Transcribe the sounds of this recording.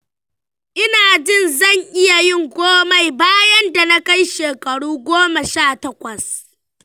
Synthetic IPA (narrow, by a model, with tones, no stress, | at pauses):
ʔɪ˦naː˨d͡ʒɪ˦nzɐ˦˨ŋʔɪ˦ja˨jɪ˦ŋɡʷoː˦ma˨jbaː˦jɐ˦nda˨na˦ka˦jʃeː˨kɐ˨ɽuː˦ɡʷoː˦mɐ˨ʃaː˦˨tɐ˦kʷɐ˨s